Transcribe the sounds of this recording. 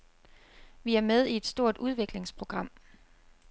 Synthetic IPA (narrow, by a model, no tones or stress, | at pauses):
ʋiæɐmeð̞ˠie̝d̥sd̥o̝ɐ̰d̥ʔuð̞ˠʋe̝ɡ̥le̝ŋspʰʁo̝ɡ̥ʁɑ̈m̰